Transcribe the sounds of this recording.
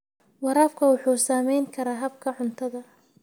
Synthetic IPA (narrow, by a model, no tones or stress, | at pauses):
wɑɾaːfkʰɐwɑħuːsaːmɛjŋkʰɐɾaːɦɐb̚kʰɐʕʊnt̪ʰɐðɐ